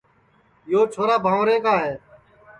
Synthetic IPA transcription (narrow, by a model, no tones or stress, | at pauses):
joːt͡ʃʰoːɾaːbʱãːʋɾẽːkaːɦeː